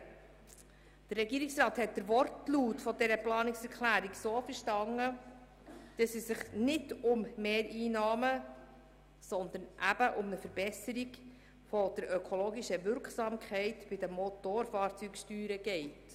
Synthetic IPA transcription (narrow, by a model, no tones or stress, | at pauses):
d̪̥ərːɛɡiːɾiksɾɑːthɛt̚d̥əɾʋɔɾtluːtfɔdɛɾəplɑːnɪksɛɾkʰlæːɾiɡsoːfəɾʃtɑŋːə | d̥ɑsɛsːɪχnɪdʊmmeːɾiːnɑːmə | sɔnd̪ənʔæb̥əʔʊmnəfəɾb̥ɛsəɾiɡ | fɔd̥əɾœkʰɔloːɡiʃəʋʏɾksɑːmkχɛɪtb̥ɪdəmɔtoːɾfɑːɾt͡sykʃtyːɾəɡ̥ɛɪt